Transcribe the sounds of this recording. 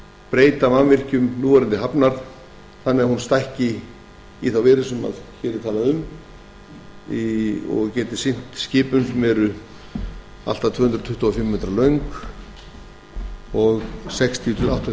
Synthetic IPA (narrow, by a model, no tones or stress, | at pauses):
pɾeːjt̪amanvɪr̥cʏmnuːvaɾɪnt̪ɪɦapnaɾ | θanːɛɣahunst̪ajhcɪ | iθawvɛːɾɪsʏma̰ðçɛːɾɪt̪ʰaːlaðʏm | iɔ̰ɣcɛːt̪ɪsɪn̥t̪scɪːpʏnsmɛːɾʏ | a̰l̥t̪at̪ʰvœːhʏnd̪ɾt̪ʰʏht̪ɔɔfɪmːeːt̪ɾalœɥŋk | ɔɣsɛkst̪ʰijʏt̪ʰɪlawt̪ʰ